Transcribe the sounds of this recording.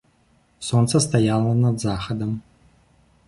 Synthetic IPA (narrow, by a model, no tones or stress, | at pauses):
sont̪sɐst̪ajalˠɐnɐd̪zaxɐd̪əm